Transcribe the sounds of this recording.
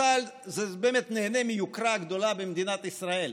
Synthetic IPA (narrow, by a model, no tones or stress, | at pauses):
alzebeːmet̪neːnemijukɾaɡd̪o̞labemd̪inat̪isʁae̞l